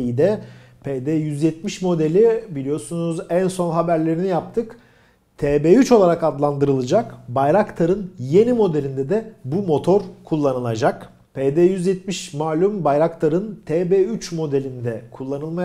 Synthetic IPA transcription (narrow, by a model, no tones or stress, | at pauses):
id̪ɛpʰed̪eːjyzjɛt̪miʃmo̞d̪elʲibilʲijo̞sunuzænso̞nɦabæɾlʲe̞ɾinijap̚t̪ʰɯk | t̪ʰeːbeyt͡ʃo̞lˠaɾakad̪lˠand̪ɯɾɯlˠɯd͡ʒakbajɾakt̪ʰaɾɯnje̞nimo̞d̪e̞lʲind̪ɛd̪ɛbumo̞t̪ʰo̞ɾkʰulˠːanɯlˠad͡ʒak | pʰeːd̪ɛjyzjɛt̪miʃmaːlʲymbajɾakt̪ʰaɾɯnt̪ʰeːbeyt͡ʃmo̞d̪e̞lʲind̪ɛkʰulˠːanɯlˠma